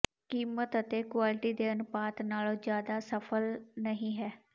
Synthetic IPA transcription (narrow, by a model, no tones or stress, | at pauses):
kiːmət̪ət̪eːkwaːlɪʈiːd̪eːənʊpaːt̪naːlõːd͡ʒjaːd̪aːsəpʰəlnəɦĩːɦɛː